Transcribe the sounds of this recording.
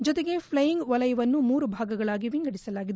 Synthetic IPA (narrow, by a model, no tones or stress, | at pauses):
d͡ʒɔt̪eɡe̞pʰlɐjiŋɡʋɐlɐjɐʋɐnːumuːɾubʱaːɡɐɡɐɭaːɡiʋiŋɡɐɽisɐlaːɡid̪